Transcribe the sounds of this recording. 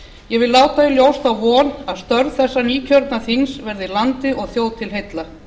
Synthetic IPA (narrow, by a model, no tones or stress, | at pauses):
jɛɣvɪlːaːwt̪aɪljowst̪awvɔːnaðst̪œɾðθɛsːaniːcʰœɾt̪naθiŋsvɛɾðɪlant̪ɪʔɔɣθjowðt̪ʰɪlɦejt̪la